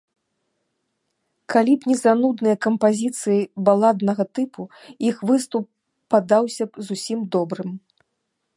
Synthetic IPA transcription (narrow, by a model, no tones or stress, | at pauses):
kalʲipnʲɛzanud̪nɨjɐkɐmpazʲit̪sɨjibalˠad̪nɐɣɐt̪ɨpʰuixvɨst̪upː | ad̪awsʲɐpzusʲimd̪ɔbɾɨm